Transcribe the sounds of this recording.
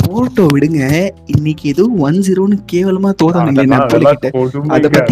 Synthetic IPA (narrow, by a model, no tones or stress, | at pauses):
foːʈːoːʋɪɽɯŋɡɐɪnːɪkːɛðɯʋɐnsɪɾoːnɯkeːʋɐlɐmaːt̪oːðaːnɯŋɡɐɭnɐpːolɐkːɪʈːɯɐðɐppːɐt̪ːi